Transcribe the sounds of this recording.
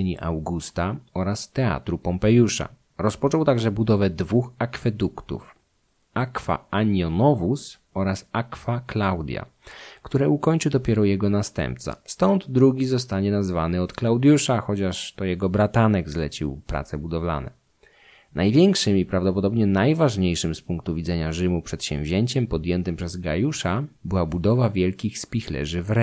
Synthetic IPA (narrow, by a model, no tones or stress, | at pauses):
ɛɲiʔa̰wɡust̪aɔɾast̪ɛa̰t̪ɾupɔmpɛjuʂa̰ | ɾɔspɔt͡ʂɔwt̪aɡʐɛbud̪ɔvɛd̪vuxakfɛd̪ukt̪ṵf | akfa̰aɲɔnɔvus | ɔɾasakfaklawd̪ʲja̰ | kt̪uɾɛukɔɲt͡ʂɨwd̪ɔpʲjɛɾɔjɛɡɔnast̪ɛ̰̃mpt̪sa̰st̪ɔnd̪d̪ɾuɡʲizɔs̬t̪aɲɛnazvanɘɔt̪klawd̪ʲjuʂaxɔt͡ɕaʂt̪ɔjɛɡɔbɾat̪anɛɡzlɛt͡ɕḭwpɾa̰t̪sɛbud̪ɔvla̰nɛ̰ | najvʲjɛŋkʂɘmipɾavd̪ɔpɔd̪ɔbɲɛnajvaʐɲejʂɘmspuŋkt̪uvʲid̪zɛɲaʐɘmupʂɛt̪ɕɛ̰̃w̃vʲʑeɲt͡ɕɛmpɔd̪jɛnt̪ɘmpʂɛzɡa̰juʂabɘwabud̪ɔvavʲjɛlkʲixspʲixlɛ̰ʐɘvɾɛ